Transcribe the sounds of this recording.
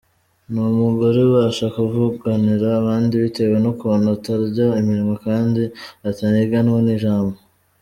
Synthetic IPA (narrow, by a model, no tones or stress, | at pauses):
numuɡoɾewaːʃakuvuɡaniɾaːβaːndiβite̞we̞nokuonataɾɟaimiɾimokaːndiataniɡanwoniːʒaːmbo